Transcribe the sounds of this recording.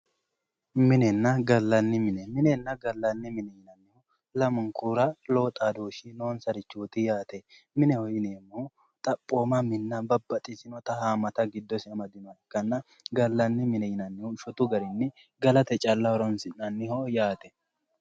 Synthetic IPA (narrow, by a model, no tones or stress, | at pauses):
mɪnɛnːɐɡɐlːɐnːɪmɪnɛmɪnɛnːɐɡɐlːɐnːɪmɪnɛjɪnɐnːɪhʊ | lɐmʊŋkuɾɐlo̞ːt̪ʼad̪oːʃino̞ːnsɐɾɪt͡ʃːuːt̪ɪjaːt̪ɛ | mɪnɛhɔjɪneːmːoː | t̪ʼɐpʼːoːmɐmɪnːɐbɐbːɐt̪ʼɪsɪnɔt̪ɐhaːmɐt̪ɐɡɪd̪ːɔsɪɐmɐd̪ɪnɔkːɐnːɐ | ɡɐlːɐnːɪmɪnɛjɪnɐnːɪhʊʃɔt̪ʊɡɐɾɪnːɪ | ɡɐlɐt̪ɛt͡ʃʼɐlːɐɔɾɔnsɪnːɐnːɪhɔjaːt̪ɛ̥